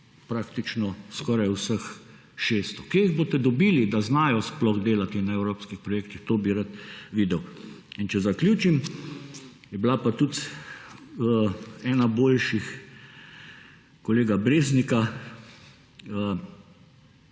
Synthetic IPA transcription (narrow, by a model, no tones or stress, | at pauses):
pɾaːkt̪it͡ʃnɔskɔːɾajusəx | ʃeːst̪ɔkeiɣboːt̪ɛd̪ɔbiːlid̪aznaːjɔsplɔɣd̪eːlat̪inaɛwɾoːpskixpɾɔjeːkt̪ixt̪oːbiɾat̪ʋiːd̪ɛw | int͡ʃɛzakljuːt͡ʃim | jɛblapat̪ut̪ | ɛːnaboːlʃix | kɔleːɡabɾeːznika | ə